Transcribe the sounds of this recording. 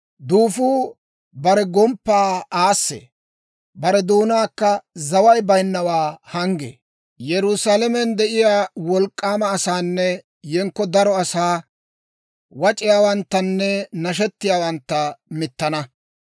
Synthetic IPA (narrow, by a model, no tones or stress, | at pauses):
d̪uːfuː | bɐɾɛɡɔmpːaːaːsːḛ | bɐɾɛd̪uːnaːkːɐzɐwɐjbɐjnːɐwaːhɐŋɡḛː | jɛɾʊsaːlɛmɛnd̪ɛʔɪjaːwɔlkʼːaːmɐːsaːnːɛ | jɛŋkːɔd̪ɐɾɔɐsaː | wɐt͡ʃʼɪjaːwɐnt̪ːɐnːɛnɐʃ̬ɛt̪ːɪjaːwɐnt̪ːɐmɪt̪ːɐnɐ